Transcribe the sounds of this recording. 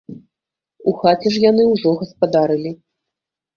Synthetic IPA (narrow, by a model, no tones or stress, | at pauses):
uxat͡sʲɛʂjanɨwʐɔɣɐspad̪aɾɨlʲi